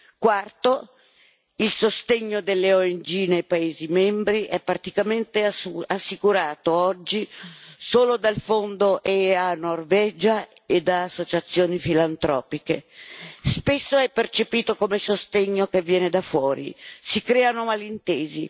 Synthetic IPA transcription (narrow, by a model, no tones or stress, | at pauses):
kwart̪o | ilsost̪eɲːod̪elːeoend͡ʒinejpaeːzimɛmbɾiʔɛpːɾat̪ikament̪easːikuɾaːt̪oɔd͡ʒːisoːlod̪alfond̪oʔeanːorvɛːd͡ʒa | ed̪aːsːot͡ʃat̪sːjoːnifilant̪ɾɔ̰ːpikespesːoɛpːert͡ʃepiːt̪okomesost̪eɲːokevːjɛːned̪afwɔːɾḭsikɾɛːanomalint̪eːzi